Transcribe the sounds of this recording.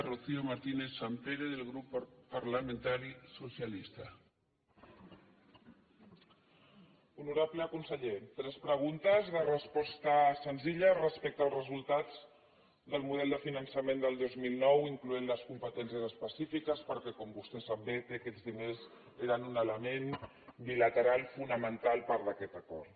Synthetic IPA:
ruθiomaɾt̪ineθsampeɾeðəlˠɣɾupːpaɾləmẽnt̪aɾisusjalist̪a | unuɾaβləəkunsəʎet̪ɾɛspɾəɣ̞unt̪əzðərəspɔst̪əsənziʎərəspɛk̚t̪əlˠzrəzulˠt̪ad͡z | ðəlˠmuð̞ɛlˠd̪əfinənsəmend̪əlˠd̪ozmilˠnɔwiŋkluenləskumpət̪ɛnsjəzəspəsifikəspəɾkɛkɔmbust̪ɛsabbet̪eəkɛd͡zðinez | eɾənunələmen | bilət̪əɾalˠfunəmənt̪alˠpaɾðəkɛt̪əkɔɾt̪

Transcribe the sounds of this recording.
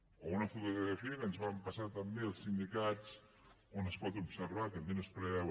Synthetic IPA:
ounəfut̪uɣɣɾəfiəkənzβampasat̪əmbeəlˠsind̪ikat͡s | onəspɔt̪ubsəɾβat̪əmbenospɾɛ

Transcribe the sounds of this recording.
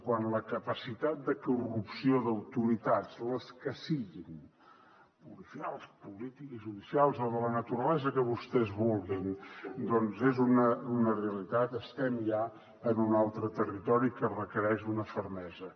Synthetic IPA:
kwanləkəpəsit̪at̪̚d̪əkurupsioðəwt̪uɾit̪azləskəsiɣin | pulifia̰lˠspulit̪ikʒuðisialˠzoðələnət̪uɾəlɛzəkəβust̪ɛzβulˠɣind̪ɔnzezunəunəreəlit̪at̪əst̪ɛmʎa | ənunalˠt̪ɾət̪ərit̪ɔɾikərəkəɾɛʃunəfəɾmɛzə

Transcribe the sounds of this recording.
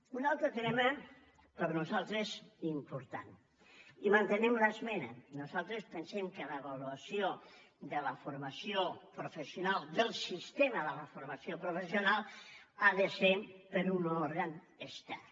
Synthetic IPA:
unalˠt̪ɾət̪ɾemə | pəɾnuzalˠt̪ɾesimpuɾt̪a̰n | imant̪ənɛmləzmɛnənuzalˠt̪ɾəspənsemkələβaluasio | d̪ələfuɾmasiopɾufəsjunalˠd̪əlˠsist̪eməðələfuɾmasjopɾufəsiunalˠaðəsepəɾunoɾɣən | əst̪a

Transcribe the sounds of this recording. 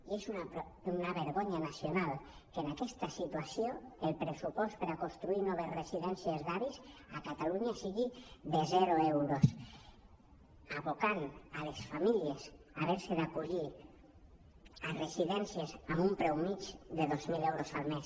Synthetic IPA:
iesunaunaβeɾɣoɲanasjonal | kenakest̪asit̪wasjoelpɾesupɔst̪̚peɾakonst̪ɾuiɾnɔβ̞ezresiðɛnsjezðaβisakat̪aluɲasiɣiðezɛɾoewɾos | aβokanalesfamilies | aβeɾseðakuʎi | aresiðɛnsjesamumpɾɛwmit͡ʃd̪eðozmilewɾosalmes

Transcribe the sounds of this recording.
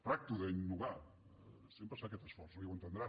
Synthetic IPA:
p̪ɾak̚t̪uðəinːuɣa | sjempɾəsfakɛt̪əsfɔɾsiwənt̪ənd̪ɾa

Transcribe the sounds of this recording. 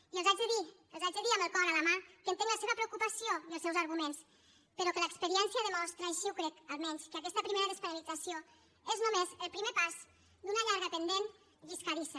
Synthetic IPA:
iəlzad͡ʒðəði | əlzad͡ʒeðiambəlˠkɔɾaləmakənt̪eŋɡləseβəpɾeukupasioiəlˠsɛwzaɾɣ̞umens | pəɾɔkələkspəɾiɛnsjəðəmɔst̪ɾaːʃiwkɾɛkalˠmɛɲskəakɛst̪əpɾimeɾəðəspəɾalid͡zasio | eznumezəlˠpɾimepaz | d̪unaʎaɾɣapənd̪en | viskaɾisa

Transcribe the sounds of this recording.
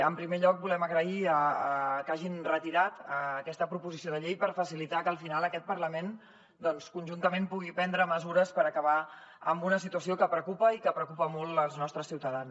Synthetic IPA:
əmpɾimeʎɔk̚bulɛməɣɾəiəːkaʒinrət̪iɾat̪əːkɛst̪əpɾupuzisioðəʎejpəɾfəsilit̪akəːlˠfinalˠəkɛt̪̚pəɾləmen | d̪ɔnskunʲʒunt̪əmempuɣ̞ipɛnd̪ɾəməzuɾəspəɾəkəβ̞a | ə̰mbunəs̬it̪uəsiokəpɾəkupəikəpɾəkupəmɔlˠt̪əlˠznɔst̪ɾəsiwt̪əðan

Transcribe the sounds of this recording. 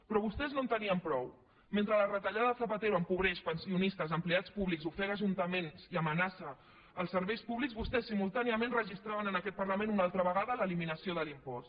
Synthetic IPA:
pɾɔβust̪ɛznõnt̪əniəmpɾɔw | ment̪ɾələrət̪əʎaðəðθəpət̪eɾuəmpuβɾɛʃpənsiunist̪əzəmpleat͡spuβlikzufɛɾəʒunt̪əmenziəmənasəː | lˠsəɾβɛjspuβlikzβust̪ɛsːimulˠt̪aniəmẽnrəʒist̪ɾaβənənəkɛt̪̚pəɾləmẽnunalˠt̪ɾəβəɣaðələliminəsioðəlimpɔst̪

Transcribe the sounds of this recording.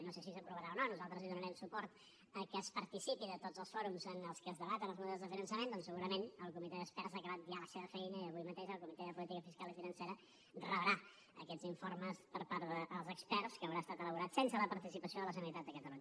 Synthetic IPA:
nosesisəpɾuβəɾaononuzalˠt̪ɾəziðunəɾɛmsupɔɾt̪ | əkəːspəɾt̪isipiðət̪odzəlˠsfɔɾumzənəlˠskəːzðəβat̪ənəlˠzmuðɛlˠzðəfinənsəmend̪ɔnsəɣuɾəmenəlˠkumit̪ɛðəkspɛɾzakəβat̪̚bialəseβəfɛjnəiəβujmət̪eʒəlˠkumit̪ɛðəpulit̪ikəfiskalifinənseɾə | rəβɾa | ə̰kɛdziɱforməspəɾpaɾðəʔəlˠzəkspɛɾskəːwɾaəst̪at̪ələβuɾat̪sensələpəɾt̪isipəsioðələzənuɾit̪ad̪̚d̪əkət̪əluɲə

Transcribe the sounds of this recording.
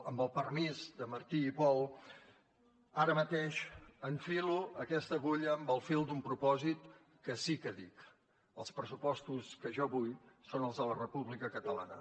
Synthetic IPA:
əmbəlˠpərmizd̪əməɾt̪iːpɔlˠ | aɾəmət̪eʃəɱfiluəkɛst̪əɣoʎəːmbəlˠfilˠd̪umpɾupɔzit̪ | kəsikəðik | əlˠspɾəsupɔst̪uskəʒɔβujsonəlˠzðələrəpuβlikəkət̪əla̰nə̰

